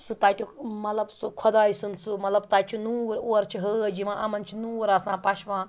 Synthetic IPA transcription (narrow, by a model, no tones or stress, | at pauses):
sut̪aːt̪ʲumɐt̪lɐbsukʰɐd̪aːisunt͡sʰumɐt̪lɐb̚t̪aːt͡ʃʰunuːɾoːɾt͡ʃʰiɦəəd͡ʒiʋãːʔɐmɐnt͡ʃʰinuːɾaːsãːpɐʃʰʋãː